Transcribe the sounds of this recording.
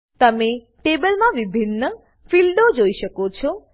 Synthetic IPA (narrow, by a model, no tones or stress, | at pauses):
t̪əme | ʈebəlmãʋibʱinːə | filɖod͡ʒoiʃəkot͡ʃʰɔ